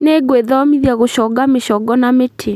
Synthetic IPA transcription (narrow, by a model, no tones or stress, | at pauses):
neɡweðɔmiðjaɣoɕɔɡameɕɔɡɔnametʰe